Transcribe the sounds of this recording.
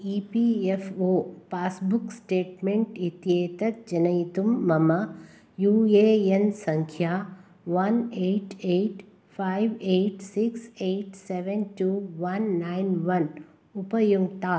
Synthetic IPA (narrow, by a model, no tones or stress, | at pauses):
iːpiefoːpaːsbʊksʈeːʈmẽɳʈit̪ieːt̪ɐk̚d͡ʒɐnɐjt̪umːɐmɐ | juːeːjensɐ̃ŋkʰjaː | ʋɐneːʈeːʈ | fʰaːiʋeːʈsikseːʈseʋenʈuːʋɐnːaɪnʋɐn | ʊpəjuɡt̪aː